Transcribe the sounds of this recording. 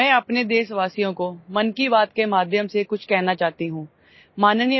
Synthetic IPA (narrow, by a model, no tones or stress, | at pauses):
ɛ̃ːɐpned̪eːsʋaːsijõkomɐnkibaːt̪kemaːd̪ʱjəmsekʊt͡ʃʰkɛːɦnat͡ʃaːɦt̪iɦũː | maːnnij